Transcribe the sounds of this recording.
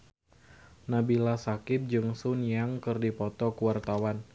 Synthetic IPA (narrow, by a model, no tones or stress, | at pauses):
nabilasakɪp̚d͡ʒɨŋsʊnjaŋkɨrdipɔt̪ɔkuwart̪awan